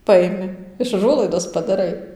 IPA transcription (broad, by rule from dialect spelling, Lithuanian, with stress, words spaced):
ˈpɐɪmʲɪ ɪʃ ˈʊʒuɔlˠɐɪdoːs pɐdɐˈrɐɪ